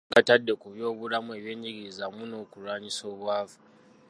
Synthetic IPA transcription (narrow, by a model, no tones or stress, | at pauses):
ŋɡatadːekuβjoːβuɾamueβjeɲd͡ʒiɣizamunokuɾwaɲisoβwaːvḁ